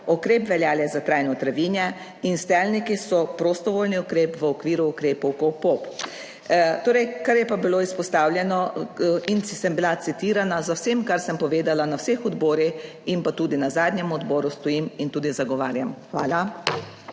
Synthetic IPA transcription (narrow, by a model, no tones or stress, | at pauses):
ɔkɾeːpʋɛljaːljɛzat̪ɾajnɔt̪ɾaʋiːnjɛ | inst̪ɛːlnikisɔpɾost̪ɔʋoːlniɔkɾeːpʋəɔkʋiːɾuːkɾeːpɔwkopop | t̪oːɾɛjkaɾjɛpabiloːispɔst̪aːwljɛnɔinsɛmbilat̪it̪iːɾanazawsemkaɾsəmpɔʋeːd̪alanawsexɔd̪bɔːɾix | impat̪uːd̪inazaːd̪nɲɛmuɔd̪bɔːɾust̪ɔjimint̪uːd̪izaɡɔʋaːɾjamxʋa̰ːla